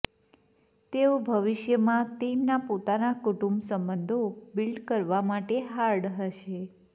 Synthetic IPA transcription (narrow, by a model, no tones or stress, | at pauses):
t̪eobʱəʋiʃjəmãt̪emnapot̪anakuʈumbsəmbənd̪ʱobilɖkəɾʋamaʈeɦaɾɖɦəʃe